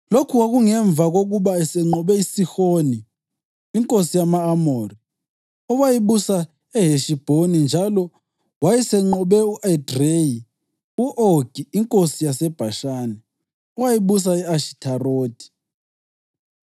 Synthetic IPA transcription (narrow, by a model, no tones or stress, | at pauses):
lokʰuwaɣuŋɛɱb̪vʱaɣoɣuβaɛsɛŋ͡ǃɔβɛisixoniː | ŋkʼosijamaːmoːri | ɔwajiβusa | ɛɦeʃib̥ʱonind͡ʒʱalɔ | wajisɛŋ͡ǃɔβɛuʔadreji | uʔoɡ̥ʱiiŋkʼosijasɛb̥ʱaʃaːnɛ | ɔwajiβus̬aɛaʃi̥tʰaroːd̥ʱi̥